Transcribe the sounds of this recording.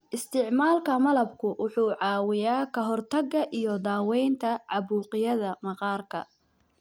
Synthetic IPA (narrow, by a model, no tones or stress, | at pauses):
ʔɪst̪ʰɪʕmaːlkʰɐmɐlɐb̚kʰʊwʔʊħuːʕɑːwɪjaːkʰɐɦɔrt̪ʰɐɡːɐʔijɔd̪aːwɛjnt̪ʰɐʕɑβuːqɪjɐðɐmɐqɑːrkʰɐ̰